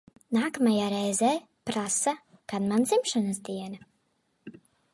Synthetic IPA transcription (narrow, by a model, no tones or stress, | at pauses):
naːkamajaːɾɛjzɛː | pɾasa | kad̪mand̪zimʃanasd̪iɛna